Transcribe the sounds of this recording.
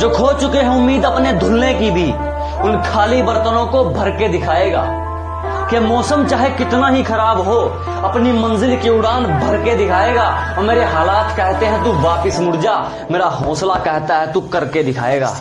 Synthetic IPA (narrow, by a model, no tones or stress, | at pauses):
d͡ʒoːkʰoːt͡ʃʊkeɦɛ̃ʊmːiːd̪ɐpned̪ʱʊlːekibʱi | ʊnkʰaːlibəɾt̪ənõkobʱɐɾked̪ɪkʰaːeːɡa̰ː | kemɔːsəmt͡ʃaːɦekɪt̪naɦixɐɾaːbɦo | ɐpnimɐ̃nzɪlkiʊɽaːnbʱɐɾked̪ɪkʰaːeːɡaːɔːmeːɾeɦaːlaːt̪kɛɦt̪eɦɛ̃t̪uʋaːpɪsmʊɽd͡ʒa | meːɾaɦɔ̃ːslakɛɦt̪aɦɛt̪ukɐɾked̪ɪkʰa̰ːeːɡa̰ː